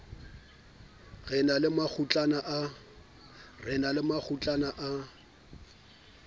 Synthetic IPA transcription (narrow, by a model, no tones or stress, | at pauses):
ɣɛnalɪmak͡xʰut͡ɬʼanaʔa | rɪnalɪmak͡xʰut͡ɬʼanaʔa